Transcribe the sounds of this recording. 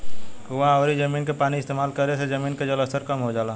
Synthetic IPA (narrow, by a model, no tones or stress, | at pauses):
kʋɐɦãɔːɾid͡ʒɐmiːnkepaːniɪst̪eːmaːlkɐɾesed͡ʒɐmiːnked͡ʒələst̪əɾkɐmɦod͡ʒaːlaː